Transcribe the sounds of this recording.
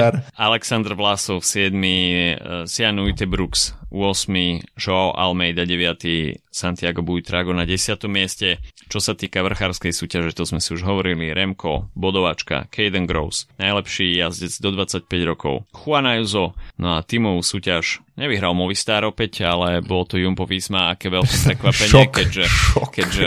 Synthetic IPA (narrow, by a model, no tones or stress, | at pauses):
alɛksand̪rʋlasɔfsɪɛd̪mi | sianujt̪ɛbɾuksʊ̰ɔsmiʒɔaʔa̰lmɛjd̪aɟɛʋɪat̪isant̪ɪaɡɔbujt̪ɾaɡɔnaɟɛsɪat̪ɔmːɪɛscɛt͡ʃɔsat̪iːkaʋr̩xaːɾskɛjsuːcaʒɛt̪ɔzmɛsiuʒɦɔʋɔɾiliɾɛmkɔ̰bɔd̪ɔʋat͡ʃka̰kʰɛjd̪ɛŋɡɾɔ̰ʊsnajlɛpʃiːjazɟɛd͡zd̪ɔd̪ʋat͡sac̚pɛɟɾɔkʰɔ̰ʊxuanajuzɔnɔat̪imɔʋusuːcaʒɲɛʋiɦɾalmɔʋist̪aːɾɔpɛcalɛbɔlɔt̪ɔjumpɔʋiːzmaakɛːʋɛlkɛpɾɛkʋapɛɲɪɛkɛɟʒɛkɛɟʒɛ